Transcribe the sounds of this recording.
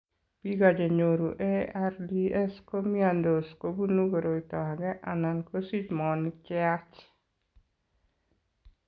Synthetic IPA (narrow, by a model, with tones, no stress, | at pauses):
pi˦ɡa˨d͡ʒɔ˨ɲo˨ɾu˨ʔeardiɛ˦sko˦miand̪o˨skobu˦nu˦ɡoɾo˨itɔ˨aɡɛ˦ʔana˨nko˦si˦t͡ʃmɔnɪkjat͡ʃ